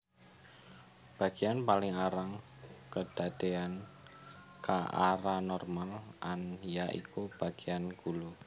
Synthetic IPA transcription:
b̥a̤ɡ̥ianpalɪŋaɾaŋ | kəd̥ad̪̥ean | kaʔaɾanɔrmalʔanjaʔḭkʰub̥a̤ɡ̥ianɡ̥ulu

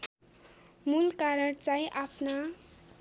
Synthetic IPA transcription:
mulkaɾʌɽt͡sãjʔapʰna

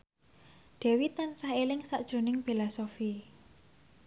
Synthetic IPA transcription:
ɖ̪̥ɛ̤wit̪ansahelɪŋsaʔd̥ʒ̥o̤nɪŋbelasofi

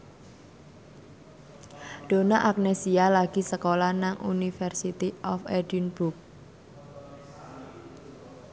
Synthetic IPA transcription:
ɖ̥o̤naʔak̚nesialaɡ̥i̤səkolanaŋṵnifɛrsit̪iʔɔfɛdinbuk̚

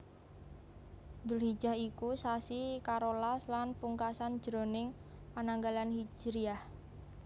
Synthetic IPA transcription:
d̪ʊlhid̥ʒ̥a̤hikusasikaɾolaslanpuŋkasan̥ʒ̥ɾo̤nɪŋpanaŋɡalanhi̥d͡ʒ̥ɾiah

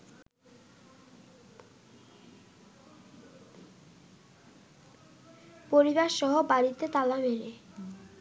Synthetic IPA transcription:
poɾiβaʃʃɔɦobaɾit̪et̪alameɾe

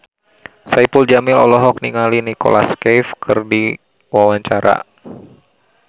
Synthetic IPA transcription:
saipuld͡ʒamɪlɔ̰lɔɦɔk̚niŋalinikɔ̰la̰skɛjfkʰɨrdi | wawaɲt͡ʃaɾa̰

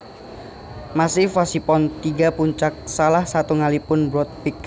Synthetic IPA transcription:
masɪhfasipɔnt̪iɡapuɲt͡ʃak̚salahsat̪uŋalipʊnbɾɔt̪̚pik

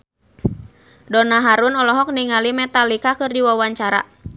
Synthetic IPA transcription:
dɔnaɦaɾunɔlɔɦɔk̚niŋalimɛt̪alikakɨrdiwawaɲt͡ʃaɾa̰

